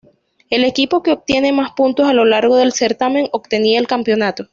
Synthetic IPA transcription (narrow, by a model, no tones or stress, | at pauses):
e̞le̞kipo̞ke̞o̞b̚t̪je̞ne̞maspunt̪o̞salo̞laɾɣo̞ðe̞lse̞ɾt̪ame̞ŋo̞bt̪e̞niaelkampjo̞nat̪o̞